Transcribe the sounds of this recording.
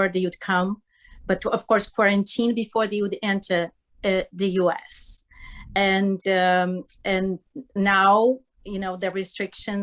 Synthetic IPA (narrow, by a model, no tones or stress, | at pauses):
ɹðeɪwɨd̚kʰʌ̃m | b̥ʌtʌv̥kɔɹskʰwɔɹɨ̃ntʰĩnbɨfɔɹðeɪwɨdɛ̃ntʰə˞ | ðɨjuɛ̰s | ɨ̃n | ɨ̃nːaʊ | junoʊðɨɹɨstɹ̥ɪkʃɨ̃n